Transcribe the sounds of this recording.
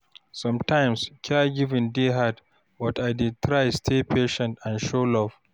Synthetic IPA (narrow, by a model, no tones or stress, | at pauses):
sɔ̃mtajmskʲʰaɡɪvɪ̃ndiɦad | bɔtajdɪd̚tʰɾajstʰepʰeʃɛ̃ntãnʃolɔf